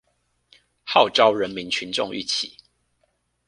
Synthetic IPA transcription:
hɑ˥˨ʊʈ͡ʂɑ˦ʊɻə˨˦nmi˨˦nt͡ɕʰy˨˦nʈ͡ʂʊ̰˥˨ŋy̰˥˨t͡ɕʰi˨˩˦

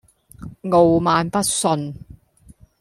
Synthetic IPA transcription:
ŋo˨wmaː˨˧npɐ˥t̚sɵ˧n

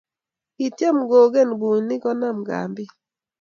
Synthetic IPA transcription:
i˨tje˦˨mɡoː˨ɡe˦˨nbu˨˦ni˦ɡɔ˦na˦˨m˨ɡa̰˨mbi˦

